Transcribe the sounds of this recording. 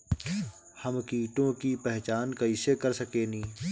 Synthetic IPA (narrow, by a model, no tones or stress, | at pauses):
həmkiːʈõkipɛɦt͡ʃaːnkɐiːsekəɾsəkeːnĩː